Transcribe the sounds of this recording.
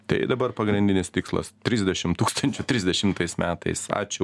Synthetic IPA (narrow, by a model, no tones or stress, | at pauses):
t̪ɐɪd̪ɐbɐɾpɐɡɾʲɪnʲd̪ʲɪnʲɪst̪ʲɪkslˠɐ̰st̪ʲɾʲɪzʲd̪ʲɛʃʲɪmt̪uːkst̪ɐnʲt͡ʃʲʊt̪ʲɾʲɪzʲd̪ʲɛʃʲɪmt̪ɐɪsmʲæːt̪ɐ̰ɪsɑ̰ːt͡ʃʲʊ